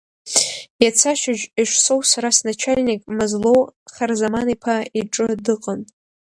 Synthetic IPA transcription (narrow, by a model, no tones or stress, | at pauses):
jat͡sʰaʃɪʒiʂso̞wsaɾasnat͡ʃʰalʲnikʼmɨzlo̞wχarzamanipʰaiʈ͡ʂʼɨdɨqʼən